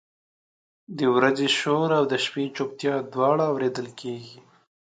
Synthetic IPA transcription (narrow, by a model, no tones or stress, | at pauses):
d̪əwɾazeʃoɾawd̪əʃpit͡ʃop̚t̪jɑd̪wɑɽaːwɾed̪əlkʰeɡi